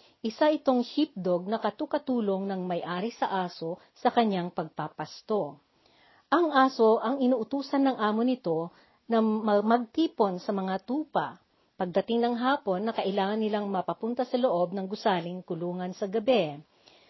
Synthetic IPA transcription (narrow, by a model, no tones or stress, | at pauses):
ʔɪsaʔɪt̪o̞ŋhip̚d̪oɡ̚nɐkɐt̪okɐt̪uːlo̞ŋnɐŋmɐjʔaːɾisɐʔaːso̞ | sɐkɐɲːaŋpɐɡ̚papɐst̪o̞ | ʔɐŋʔaːsoʔɐŋɪnuːʔʊt̪uːsɐnːɐŋʔaːmonɪt̪o̞ | nɐmmɐɡ̚t̪iːpo̞nsɐmɐŋat̪uːpɐ̰ | pɐɡ̚d̪ɐt̪ɪŋnɐŋɦaːpo̞nːɐkɐʔɪlaːŋɐnːɪlaŋmɐpɐpʊnt̪ɐsɐloʔo̞b̚nɐŋɡʊsaːlɪŋkʊluːŋɐnsɐɡɐbɛ